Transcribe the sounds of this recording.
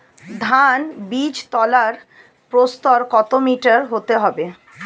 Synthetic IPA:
d̪ʱanbid͡ʑt̪ɔlaɾ | pɾost̪ɔɾkɔt̪omiʈaɾɦot̪eɦɔbe

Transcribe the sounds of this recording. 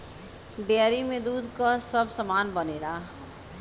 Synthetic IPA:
ɖejaɾimẽd̪uːd̪ʱkasəbsəmaːnbəneːla

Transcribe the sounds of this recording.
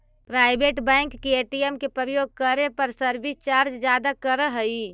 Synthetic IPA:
pɾaːɪbeːʈbɛ̃ɪ̃ŋkːieːʈijemkepɾəɾəjoːɡ̚kəɾepəɾsəɾbist͡ʃaːɾd͡ʒd͡ʒjaːd̪akəɾəɦəi

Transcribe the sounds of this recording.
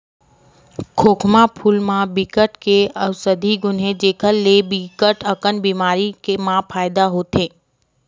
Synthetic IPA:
kʰoːkʰmapʰuːlmãbikəʈkeəwsəd̪ʱiɡʊnɦed͡ʒeːkʰəlːebikəʈəkənbiːmaːɾikemãpʰaːɪd̪aɦoːt̪ẽː

